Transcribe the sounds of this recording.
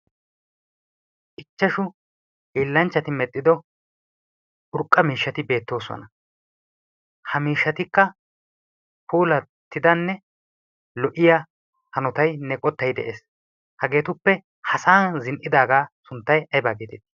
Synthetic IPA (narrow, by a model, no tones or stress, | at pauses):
ʔɪt͡ʃːɐʃʊ | iːlːɐnt͡ʃːɐt̪ɪmɛt̪ʼːɪd̪ɔ | ʔʊɾkʼːɐmiːʃːɐt̪ɪbe̞ːt̪ːo̞ːsɔ̰nɐ | hɐmiːʃːɐt̪ɪkːɐ | puːlɐt̪ːɪd̪ɐnːɛ | lɔʔɪja | hɐnɔt̪ɐjnɛkʼɔt̪ːɐjd̪ɛ̰ʔḛːs | hɐɡe̞ːt̪ʊpːɛ | hɐsaːnzɪnʔɪd̪aːɡaːsʊnt̪ːɐjɐjbaːɡɪd̪ɪt̪ɪ̥